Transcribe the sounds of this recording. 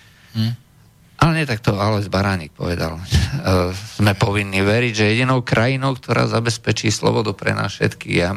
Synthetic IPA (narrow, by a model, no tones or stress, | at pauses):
ʔalɛɲɛt̪ak̚t̪ɔalɛzbaɾaːɲik̚pɔ̰ʋɛd̪a̰l | z̥mɛpɔʋinːiːʋɛɾiɟʒɛjɛɟinɔʊkɾʔajinɔʊkt̪ʰɔɾa̰ːzabɛspɛt͡ʃiːslɔ̰bɔd̪upɾɛ̰na̰ːsfʃɛ̰t̪kḭːɣa